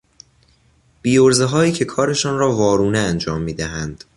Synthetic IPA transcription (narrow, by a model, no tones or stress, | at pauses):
b̥iːoɾzeɦɒːjiːcʰe̞kʰɒːɾe̞ʃɒːnɾɒːvɒːɾuːneænd͡ʒɒːmːiːd̪æɦænd̪̥